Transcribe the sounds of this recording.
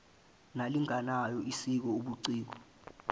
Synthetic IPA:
naliŋanajɔisik̬ɔuɓuǀiːk̬ɔ

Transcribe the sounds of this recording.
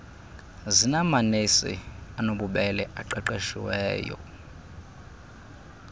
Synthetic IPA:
zinamanesḭanoɓuɓɛlɛʔaǃɛǃeʃḭwɛːjɔ̰

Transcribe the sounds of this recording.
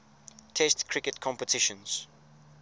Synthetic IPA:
tʰɛstkʰɹɪkətkʰɔ̃mpətʰɪʃə̃nz̥

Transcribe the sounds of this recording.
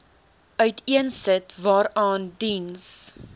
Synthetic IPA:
ʔœɥtiənsətvɑːɾɑːndins

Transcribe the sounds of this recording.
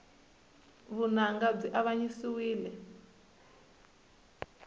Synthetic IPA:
βunaŋɡab͡ʐiʔaβaɲisiwiːlɛ

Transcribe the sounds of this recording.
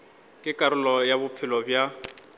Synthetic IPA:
kʼɪkʼaɾʊlɔjabʊpʰɪlɔbja

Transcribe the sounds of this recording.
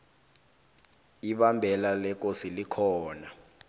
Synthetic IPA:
iɓambʱɛlalɛk̬osilikʰɔːna

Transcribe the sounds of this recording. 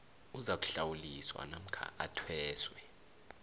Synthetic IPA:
uzak̬ʼu̥ɬawuliswa̰nam̩kʰa̰ʔatʰwɛːswɛ

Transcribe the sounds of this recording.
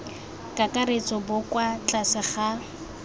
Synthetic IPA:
kʼakʼaɾet͡sʼɔbʊkwat͡ɬʼasɪχa

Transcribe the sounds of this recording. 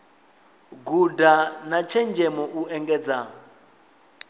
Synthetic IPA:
ɡudanat͡ʃʰɛnd͡ʒɛmɔʔuʔɛŋɡɛːd͡za

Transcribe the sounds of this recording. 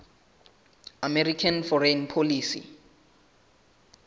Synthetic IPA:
amerikʰanfɔrenpʰoliːsḭ

